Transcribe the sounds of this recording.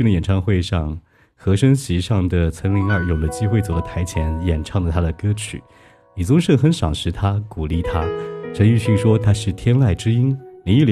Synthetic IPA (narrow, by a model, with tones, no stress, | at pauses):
y˥˩ndə˧jɛ˨˩nʈ͡ʂʰɑ˥˧ŋxwe˥˧ɪʂɑ˥˩ŋ | xɤ˧˥ʂə˥nɕi˧˥ʂɑ˥˩ŋd̪ə˩t͡sʰɤ˧˥ŋli˧˥ŋɑ˞˥˧˩jo˨˩d̪ə˦t͡ɕi˥xwe˥˩ɪt͡swɔ˨˩lə˧˦t̪ʰa˧˥ɪt͡ɕʰjɛ˧˥njɛ˨˩nʈ͡ʂʰɑ˥˩ŋd̪ə˩t̪ʰa˥d̪ə˨kɤ˥t͡ɕʰy̰˨˩˦ | li˨˩t͡sʊ˥ŋʂɤ˥˩ŋxə˧˥nʂɑ˨˩ŋʂɻ̩˧˥t̪ʰa˥ku˨˩li˥˩t̪ʰa˥ʂʰə˧˥ŋy˥˧ɕi˥˩ŋʂwɔ˥t̪ʰa˥ʂɻ̩˥˩t̪ʰjɛ˥nla˥˩ɪʈ͡ʂɻ̩˥i˥nni˧˥i˥˩l